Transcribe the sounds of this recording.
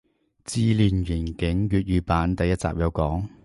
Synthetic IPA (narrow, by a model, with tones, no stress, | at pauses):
t͡siː˧liː˨nɥiː˨˩nkɪ˨˥ŋɥyː˨˧t̚ɥyː˨paː˨˧nt̪ɐ˨˧jɐ˥t̚t͡sa̰ː˨p̚jɐ˨˧wkɔː˨˥ŋ